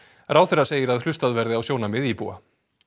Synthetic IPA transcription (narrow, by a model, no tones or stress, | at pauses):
rʔaːwθɛraseːjɪɾaðhlʏst̪aðvɛɾðɪawsjoːwnamɪðipṵːa̰